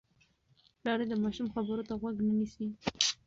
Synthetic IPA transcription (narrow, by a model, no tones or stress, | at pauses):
lɑɾed̪əmɑʃumxabəɾot̪aɣwaɡnənisi